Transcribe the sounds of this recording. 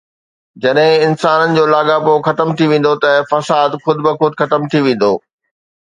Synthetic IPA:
d͡ʑɐɗɦɪ̃ɪnsaːnənɪ̆d͡ʑoːlaːɡapoxɐt̪əmt̪ʰiʋẽːn̆d̪ot̪ɐfɐsaːd̪xʊd̪ɪbɪxʊd̪ʱɪxɐt̪əmt̪ʰiʋẽːn̆d̪oː

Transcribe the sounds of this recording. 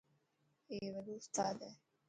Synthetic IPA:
eːʋɐlust̪aːd̪ɛː

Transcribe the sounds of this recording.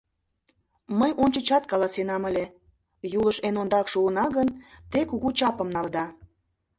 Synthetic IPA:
məjonʲt͡ɕə̆t͡ɕɑt̪̚kɑlˠɑsenɑməlʲe | juləʃenond̪ɑkʃuənɑɣənt̪ekuɣut͡ɕɑpəmnɑld̪ɑ

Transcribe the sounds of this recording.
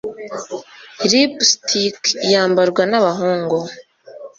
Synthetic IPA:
ɾipstʰikjaːmbaɾɡwanaβaɦoːŋɡo

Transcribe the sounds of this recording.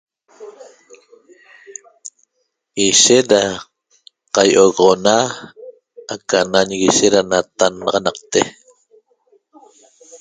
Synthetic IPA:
iʃet̪ɾa | qajʔoɣʁona | akanaɲɣiʃeɾanat̪anːɑʁɑnɑqt̪e

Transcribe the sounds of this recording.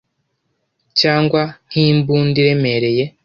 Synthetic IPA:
caːŋɡwan̥hiːmbuːndiɾe̞me̞ɾe̞je̞

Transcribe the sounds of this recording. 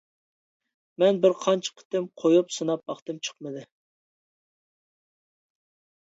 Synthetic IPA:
mɛnbɪɾqʰɑnt͡ʃʰə̥qʰə̥t̪ɨmqʰojupsɨnɑp̚ːɑχt̪ɨmt͡ʃʰə̥qmɨd̪ɨ

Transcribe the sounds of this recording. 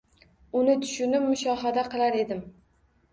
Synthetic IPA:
ʊnɪt̪ʰʊ̥ʃʊnɪpmʊʃɒɦad̪aqʰɨlˠaɾe̞d̪ɪm

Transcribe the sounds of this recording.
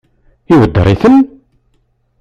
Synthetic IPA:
iwəd̪ːə̰ɾˤiθən

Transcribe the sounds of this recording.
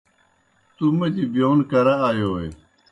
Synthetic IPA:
t̪umɐd͡ʑibijoːnkɐɾaaːjoːḛ

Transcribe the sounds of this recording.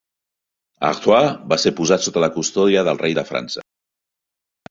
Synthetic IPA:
a̰ɣt̪wabaseɾpuzat̪sot̪ələkust̪ɔðiəðəlˠrejðəfɾa̰nsə̰

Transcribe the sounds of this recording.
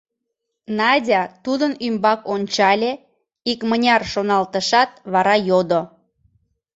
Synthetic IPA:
nɑdʲɑt̪ud̪ənymbɑkonʲt͡ɕɑlʲe | ikmənʲɑrʃonɑlt̪əʃɑt̪βɑɾɑjod̪o

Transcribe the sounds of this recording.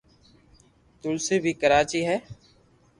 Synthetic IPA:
t̪ʊlseːbʱiːkəɾaːt͡ʃiːɦɛː

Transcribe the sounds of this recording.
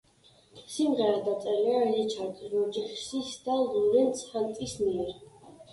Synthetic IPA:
simʁɛɾad̪at̪sʼɛliazɛt͡ʃʰaɾt̪ʼɔd͡ʒiχsisd̪̥alˠulɛnt̪sʰhant̪ʼismiɛɾ

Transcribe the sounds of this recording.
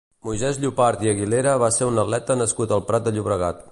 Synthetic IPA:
mujzɛzʎupaɾt̪iəɣileɾəβaseɾunəlɛt̪ənəskut̪əlˠpɾat̪̚d̪əʎuβɾəɣa̰t̪

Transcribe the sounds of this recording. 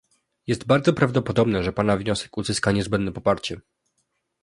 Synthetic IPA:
jɛst̪baɾd̪zɔpɾavd̪ɔpɔd̪ɔbnɛʐɛpanavɲɔsɛ̥kuzɘskaɲɛzbɛnd̪nɛpɔpaɾt͡ɕɛ

